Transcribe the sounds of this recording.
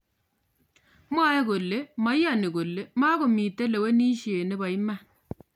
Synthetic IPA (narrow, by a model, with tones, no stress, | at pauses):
mwa˦e˦ko˨le˦ma˨˦ja˦˨ni˨ko˨lːe˦ma˦ko˨mi˨te˦le˨we˦ni˦ʃe˨ne˦ba˨i˦ma˦